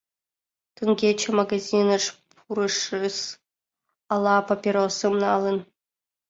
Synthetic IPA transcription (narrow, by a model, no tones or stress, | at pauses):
t̪ɯŋɡʲet͡ɕɘ̆maɡazʲinɤ̆ʂpʰuɾɤ̆ʂɯs | ɑlˠːɑpapʲirosɨmnɑlˠɤ̆n